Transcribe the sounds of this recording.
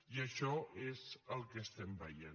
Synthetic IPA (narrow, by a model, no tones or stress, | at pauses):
iəʃɔezəlˠkəːst̪ɛmbə̰jḛ